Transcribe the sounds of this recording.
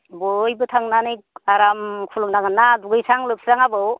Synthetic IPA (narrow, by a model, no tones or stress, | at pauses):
bɔjbɯtʰaŋnanijkaɾamkʰuluŋnaɡanːaduɡɯjsaŋlɯp̚sɾaŋabɯw